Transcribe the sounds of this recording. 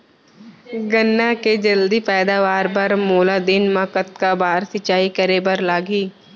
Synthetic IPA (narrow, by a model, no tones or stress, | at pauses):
ɡənːaked͡ʒɐld̪ipɛːd̪aːʋaːɾbɐɾmoːlad̪ɪnmãkət̪̚kabaːɾsɪt͡ʃaːikəɾebɐɾlaːɡiː